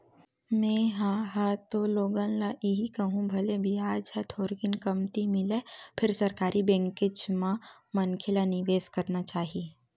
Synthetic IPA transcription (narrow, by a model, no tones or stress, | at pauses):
mɛ̃ɦãːɦaːt̪oloːɡãːnlaʔiɦikɐɦũbʱɐlebʱiaːd͡ʒɦat̪ʰoːɾɡɪnkɐmt̪imɪlepʰɪɾsɐɾkaːɾʔibɛ̃ːŋkɪd͡ʒmãmɐnkʰelanɪʋeːskɐɾnat͡ʃaːɦieː